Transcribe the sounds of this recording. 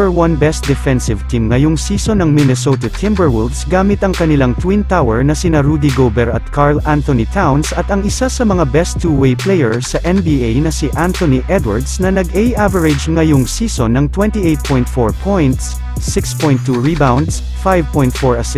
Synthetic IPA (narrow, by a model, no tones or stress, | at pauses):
ɛɹwɐ̃nbɛst̪̚d̪ɛfɛnsɪvt̪ʰimŋɐjoŋsiːsonɐŋmɪnɛsot̪ɐt̪ʰɪmbəɹwʊlvsɡaːmɪt̪ɐŋkɐnɪlaŋt̪wint̪awɛɹnɐsɪnaɾud̪ɪɡobɛɹɐt̪̚kʰaɹlant̪ɔnit̪ʰawnsɐt̪ɐŋɪsasɐmɐŋabɛst̪ʰːuwejplejɛɹsɐʔɛnbiːejnɐsiʔant̪oniʔɛd̪wɐ̰ɹd̪snɐnɐɡʔejʔavɐɹɪd͡ʒŋɐjoŋsiːsonːɐŋt̪wɛnt̪iʔejt̪̚pʰɔ̃jnt̪foɹpʰɔjnt̪sː | ɪkspɔ̃jnt̪ːuɹibawnd̪s | fajvpɔ̃j̃nt̪foɹɐsɪ